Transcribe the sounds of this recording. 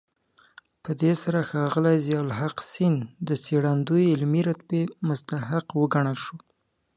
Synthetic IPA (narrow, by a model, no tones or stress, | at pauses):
pəd̪esaɾaxɑɣəlajzjɑlɦaqsind̪əseɽand̪ujɪlmiɾat̪pemʊst̪aɦɪqwəɡaɳəlʃu